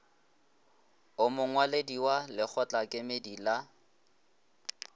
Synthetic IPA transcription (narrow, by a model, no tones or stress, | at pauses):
ʊmʊŋwalediwalɪk͡xʰɔt͡ɬʼakʼɪmedila